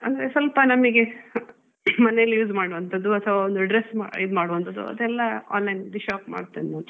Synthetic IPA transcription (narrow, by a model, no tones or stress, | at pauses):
ɐnd̪ɐɾesɐlpɐnɐmiɡe̞ | mɐnelːjuːzmaːɽuʋɐnt̪ʰɐd̪ːuɐt̪ʰɐʋaːond̪uɐɖɾesmaid̪maːɽuʋɐnt̪ɐd̪ːṵɐ̰d̪ɛlːɐa̰ːnlɐjnd̪iʃaːkma̰ːɖt̪innu